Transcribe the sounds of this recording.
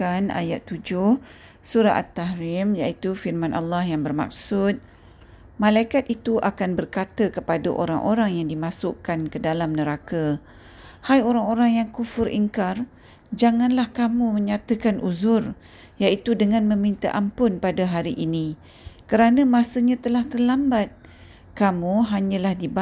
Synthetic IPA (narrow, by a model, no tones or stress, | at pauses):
ana̰ja̰t̪ːud͡ʒʊh | suɾa̰a̰t̪ːaɦɾɪmjait̪ufirmãnʔa̰lːahjaŋbərma̰k̚sʊt̪̚ | mãlaikat̪̚it̪uʔakanbərkat̪əkəpadaʔo̰ɾaŋʔoɾaŋjaŋdimãsʊʔkankədalamnəɾaka | hajoɾaŋoɾaŋjaŋkufʊɾʔḭŋkar | d͡ʒaŋãnlahkamuməɲat̪əkanʔuzʊr | jaʔit̪udəŋãnmə̃mint̪a̰ʔampʊnpadaɦaɾiʔini | kəɾanəmasəɲãt̪əlaht̪ərlambat̪̚ | kamuɦaɲãlahdiba